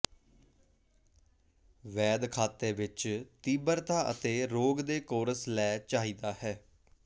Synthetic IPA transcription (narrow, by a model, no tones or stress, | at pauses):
ʋɛːd̪kʰaːt̪eːʋɪt͡ʃt̪iːbəɾt̪ãːʔə̰t̪eːɾoːɡd̪eːkoːɾəslɛːt͡ʃaːɦiːd̪aːɦɛː